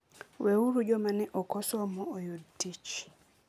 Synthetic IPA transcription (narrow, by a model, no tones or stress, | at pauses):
weuɾud͡ʒɔmanɛʔɔkɔsɔmɔːjodtit͡ʃ